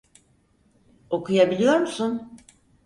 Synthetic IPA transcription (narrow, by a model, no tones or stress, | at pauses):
o̞kujabilʲijo̞ɾmusun